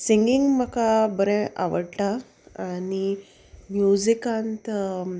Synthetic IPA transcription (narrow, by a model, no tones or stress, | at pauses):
siŋɡiŋɡməkabəɾɛ̃ʔa̰ʋəɽʈa | ani | mjuzikãnt̪